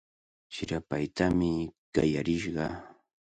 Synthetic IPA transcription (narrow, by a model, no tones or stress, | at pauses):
ʃɪɾapajt̪amɪka̰jaɾɪʃɢɑ